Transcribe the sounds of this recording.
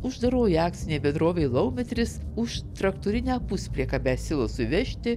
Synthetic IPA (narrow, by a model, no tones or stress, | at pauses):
ʊʒd̪ɐɾoːjiɑːk̪̚sʲɪnʲeːbʲɛnd̪ɾoːʋʲeɪlˠɐʊmʲɛt̪ʲɾʲɪsʊʃt̪ɾɐkt̪uːɾʲɪnʲæːpʊsʲpʲɾʲiɛkɑːbʲɛːsʲɪlˠɐsʊʋʲɛʃʲt̪ʲɪ